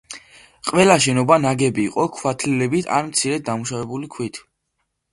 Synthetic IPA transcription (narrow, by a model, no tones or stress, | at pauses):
qʼwɛlaʃɛnɔbanaɡɛbiːqʼɔkʰwat̪ʰlilɛbit̪ʰa̰nmt̪sʰiɾɛt̪̚d̪amuʃavɛbulikʰwit̪ʰ